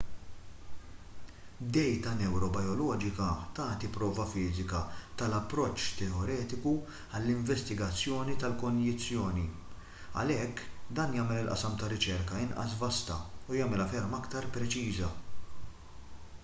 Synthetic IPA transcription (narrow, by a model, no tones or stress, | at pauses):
d̪ɛjt̪ɐnɛwɾɔbɐjɔlɔːd͡ʒɪkɐt̪ɐːt̪ipɾɔːvɐfɪːzɪkɐt̪ɐlɐpːɾɔt͡ʃːt̪ɛɔɾɛːt̪ɪku | ɐlːɪɱvɛst̪ɪɡɐt͡sːjɔːnit̪ɐlkɔnjɪt͡sːjɔːni | ɐ̰lɛkːd̪ɐːnjɐːmɛlɪlʔɐ̰sɐmt̪ɐɾɪt͡ʃɛɾkɐɪnʔɐ̰svɐst̪ɐ̰ujɐːmɛlɐfɛɾmɐkt̪ɐɾpɾɛt͡ʃiːzɐ